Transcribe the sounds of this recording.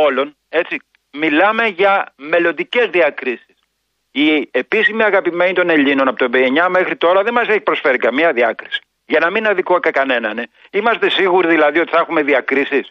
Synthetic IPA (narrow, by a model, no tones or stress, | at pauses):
o̞lo̞n | e̞t͡si | milɐme̞ʝɐme̞lo̞nd̪ice̞zðiɐkɾisi̥s | iepisimiɐɣɐpime̞nit̪o̞ne̞ʎino̞nɐpo̞t̪bieɲɐme̞xɾit̪o̞ɾɐðe̞nmɐseçi̥pɾo̞sfe̞ɾikɐmiɐðiɐkɾisi̥ | ʝɐnɐminɐðikoɐkɐkɐne̞nɐne | imɐst̪e̞siɣuɾiðilɐðio̞t̪i̥θɐxume̞ðiɐkɾisis